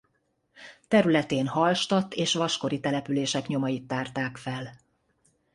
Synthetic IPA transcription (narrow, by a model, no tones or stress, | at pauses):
t̪ɛɾylɛt̪eːnhɒlʃt̪ɒt̪ːeːʃʋɒʃko̞ɾit̪ɛlɛpyleːʃɛkɲo̞mɒjit̪ːaːrt̪aːkfɛl